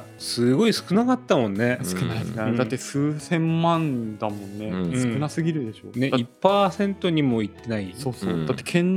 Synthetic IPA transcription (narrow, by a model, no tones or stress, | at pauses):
sɨɡo̞isɨ̥kɯ̟nakat̪ːamõ̞nːe̞sɨ̥kɯnaiskɯad̪at̪ːesɨːsẽ̞mːãnd̪amõ̞nːesɨ̃ɴkɯ̟nasɨɡʲiɾɯ̟d̪e̞ɕo̞̰ːne̞ippːaːsẽ̞nt̪o̞ɲ̟imo̞it̪ːe̞naisoːsoːd̪at̪ːe̞̥kʰẽ̞n